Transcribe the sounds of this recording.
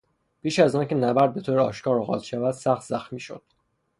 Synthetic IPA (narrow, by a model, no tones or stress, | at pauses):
pʰiːʃæzɒːncʲʰe̞næbæɾd̪̚be̞t̪ʰoːɾeɒ̰ːʃkɒːɾɒːɣɒ̰ːt̪ʰʃævæd̪̥sæxt̪zæxmiːʃod̪̥